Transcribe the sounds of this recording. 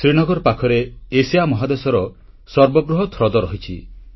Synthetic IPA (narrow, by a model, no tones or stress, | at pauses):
sɾiñɔɡɔɾɔpakʰɔɾeesijamɔɦad̪esɔɾɔ | sɔɾbɔɡɾuɦɔt̪ʰɾɔd̪ɔɾɔɦit͡ʃʰi